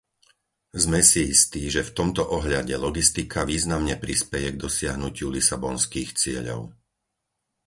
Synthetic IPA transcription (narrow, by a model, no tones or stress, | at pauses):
zmɛsiist̪iːʒɛft̪ɔmt̪ɔʔɔɦʎaɟɛlɔɡist̪ikʰaʋiːznamɲɛpɾispɛjɛɡd̪ɔsɪaɦnucɪulisabɔnskiːxt͡sɪɛʎɔ̰ʊ